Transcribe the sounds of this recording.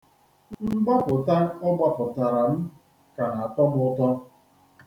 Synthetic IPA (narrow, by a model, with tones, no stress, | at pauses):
mm̩˦ba˦pʊ˨ta˦ʊ˦ɡ͡ba˦pʊ˨ta˨ɾa˨m̩˦ | ka˨na˨tɔ˦bʊ˦tɔ˦